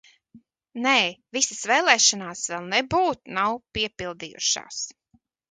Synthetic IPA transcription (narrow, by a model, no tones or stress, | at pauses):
nɛːvisasveːlˠɛːʃanaːsvɛlˠnɛbuːt̪nawpiɛpilˠd̪ijṵʃa̰ːs